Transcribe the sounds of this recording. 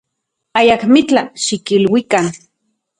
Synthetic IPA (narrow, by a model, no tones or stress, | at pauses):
ajakmit͡ɬaʃikilwikan